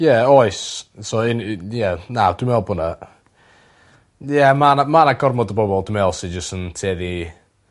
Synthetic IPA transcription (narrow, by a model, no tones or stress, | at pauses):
jɛɔɨssoɪnjɛnawd̥wɪmɛlˠbʊnə | jɛmanamanaɡɔrmɔdəbɔbɔlˠdɪmɛlˠsid͡ʒəstəntʰeːði